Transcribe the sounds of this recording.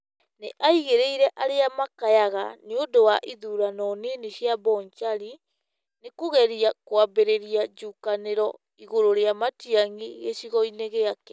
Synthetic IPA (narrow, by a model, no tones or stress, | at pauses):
neʔaiɣeɾeiɾɛʔaɾeamakajaɣa̰neodowaʔiðuːɾanɔneneɕjabɔɲt͡ʃaɾi | nekoɣɛɾiakwabeɾeɾiad͡ʒuːkaneɾɔ | iɣoɾoɾeamatiaŋiɣeɕiɣɔineɣeakɛ